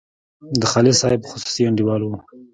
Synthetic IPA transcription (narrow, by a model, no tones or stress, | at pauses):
d̪əxɑlɪsɑhɪbxʊ̥su̥siaɳɖiwɑlwu